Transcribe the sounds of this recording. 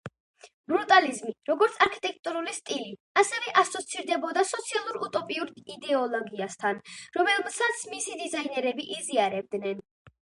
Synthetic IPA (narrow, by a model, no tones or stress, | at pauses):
bɾut̪ʼalizmiɾɔɡɔɾt̪sʰaɾkʰi̥t̪ʼɛk̚ʰt̪ʼuɾulist̪ʼiliasɛvɛʔasɔt̪sʰiɾd̪ɛbɔd̪asɔt̪sʰialˠuɾut̪ʼɔpʼiuɾid̪ɛɔlˠɔɡiast̪ʰanɾɔmɛlˠmsat̪sʰmisid̪izainɛɾɛbiʔiziaɾɛb̚d̪nɛn